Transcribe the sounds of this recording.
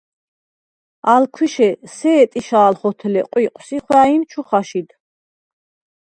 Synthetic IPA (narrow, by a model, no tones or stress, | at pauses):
alkʰwiʃɛsɛːt̪ʼiʃaːlχɔt̪ʰlɛ̰qʼwiqʼwsiχwaimt͡ʃʰuχaʃid̪